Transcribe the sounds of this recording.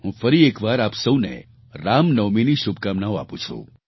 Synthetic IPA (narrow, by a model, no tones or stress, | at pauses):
ɦũfəɾiekʋaɾapsəwnḛ | ɾamnəʋminiʃubʱkamnaoa̰pũt͡ʃʰṵ̃